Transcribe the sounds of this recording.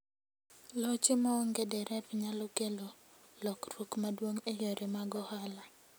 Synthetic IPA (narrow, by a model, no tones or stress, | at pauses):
lɔt͡ʃɪmaːŋɡedɛɾʔɛpɲalɔkelo | lɔkrokmadwoŋejoɾʔemaɡɔhala